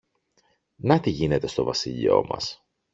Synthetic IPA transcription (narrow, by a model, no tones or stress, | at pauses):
nɐt̪iʝine̞t̪e̞st̪o̞vɐsiʎo̞̰mɐ̰s